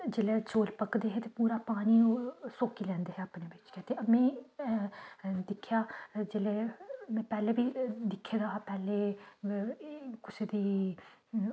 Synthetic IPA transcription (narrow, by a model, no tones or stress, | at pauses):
d͡ʒeːleːt͡ʃoːlpəkd̪eːɦɛːt̪eːpuːɾaːpaːniːsoːkiːlɛ̃ːnd̪eːɦɛːaːpneːbɪt͡ʃkɛːt̪eːmɛ̃ː | d̪ɪkʰːjaːd͡ʒeːleːmɛ̃ːpɛːleːbiːd̪ɪkʰːeːɾaɦaːpɛːleː | kʊsed̪iː